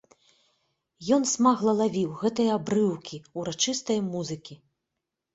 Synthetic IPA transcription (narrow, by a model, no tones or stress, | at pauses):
jɔnsmaɣlˠɐlˠavʲiwɣɛt̪ɐjɐabɾɨwkʲʰiuɾat͡ʂɨst̪ɐjɐmuzɨkʲi